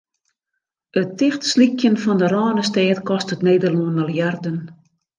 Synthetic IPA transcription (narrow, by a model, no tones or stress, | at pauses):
ətɪxtslikʰjənfɔndəɾɔːnəstɛːtkɔstətneːdəluənəlˠjardən